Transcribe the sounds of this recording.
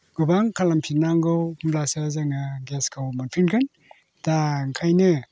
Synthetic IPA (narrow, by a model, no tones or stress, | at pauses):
ɡ̥ubaŋkʰalampʰiɾnaŋɡɔwmblasazaŋaɡeskʰawmanpʰinkʰɯn | taŋkʰajnɯ